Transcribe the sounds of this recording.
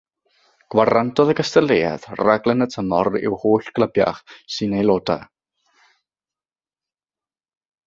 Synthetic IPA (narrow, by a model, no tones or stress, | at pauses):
ɡ̥warantʰɔðəɡəstəlˠeja̰ð̥raɡlˠɛnətʰənɔrɪ̰whoːɬɡ̥lˠəbja̰χsɨnejlˠoːda̰